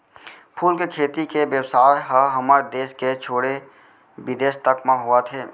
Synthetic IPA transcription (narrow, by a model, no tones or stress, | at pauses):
pʰuːlkekʰeːt̪ikeʋjəwsaːjɦəɦəmaːɾd̪eːʃket͡ʃʰoːɽe | ʋɪd̪eːʃt̪əkmãɦʊat̪ʰeː